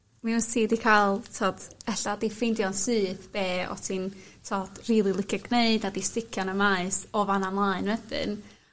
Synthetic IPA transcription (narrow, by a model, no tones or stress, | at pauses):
misidikʰajlˠtʰoːd̥ɛɬadifɪjndjɔnsɨːθb̥eːɔ̰tʰintʰoːd̥riːlˠilˠɪkʰɪɡneɨdadistɪkʰjɔnəmaɨsɔvanamlˠaɨnwɛd̥ɨ̰n